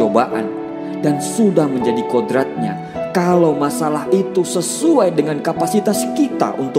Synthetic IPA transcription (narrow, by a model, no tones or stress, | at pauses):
obaʔa̰n | dansudahməɲd͡ʒadikodɾat̪̚ɲa | kalawmasalaɦit̪usəsuajdəŋankapasit̪askit̪a̰ʔunt̪ʊ